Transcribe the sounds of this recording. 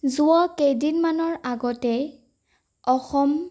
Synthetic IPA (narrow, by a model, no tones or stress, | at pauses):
zʊɔkejdinmanɔɹaɡɔtɛ | ɔxɔm